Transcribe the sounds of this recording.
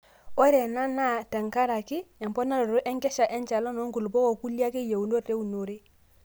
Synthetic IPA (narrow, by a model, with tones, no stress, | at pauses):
o˦ɾe˨na˦na˦ta˨ŋka˦ɾa˨ki˦a˨mpɔ˦na˦ɾo˨ɾo˦ʔɛ˦ŋkɛ˦ʃa˨ʔɛ˦nt͡ʃa˨lo˦no˦ŋku˨lu˨bo˦wo˨ku˦li˦a˦ki˦ja˨wu˨no˦te˦wu˨no˨ɾe˦